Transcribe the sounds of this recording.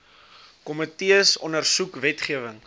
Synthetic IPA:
kɔmətiəsɔnərsukvɛtχiəvəŋ

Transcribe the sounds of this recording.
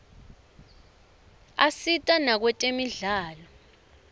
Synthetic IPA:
asitʼanak̬wɛtʼemiɮaːlɔ

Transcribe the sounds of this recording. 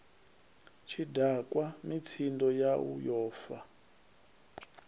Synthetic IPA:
t͡ʃʰidakʼwamit͡sʰindɔjaṵjɔːfa

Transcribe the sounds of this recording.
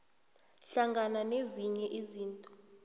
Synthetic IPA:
ɬaŋɡananeziɲɛʔiziːntʼɔ

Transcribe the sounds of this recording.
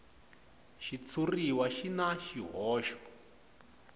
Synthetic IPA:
ʃit͡sʰuriwaʃinaʃiɦɔːʃɔ̥

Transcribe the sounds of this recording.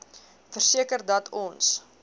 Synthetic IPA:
fərsiəkərdɐtʰɔns

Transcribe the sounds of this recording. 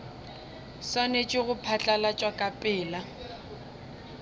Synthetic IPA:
sanet͡ʃʼɪɣʊpʰat͡ɬʼalat͡ʃʼwakʼapʼɪːla

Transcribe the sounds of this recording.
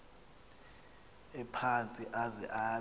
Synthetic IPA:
ɛpʰant͡sʼiʔazɛ̰ʔaː

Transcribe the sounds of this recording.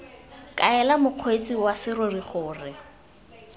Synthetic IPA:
kʼaɛlamʊq͡χʰwet͡sʼiwasɪroriχʊːrɪ

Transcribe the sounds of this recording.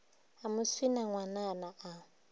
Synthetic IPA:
amʊswinaŋwananaʔa

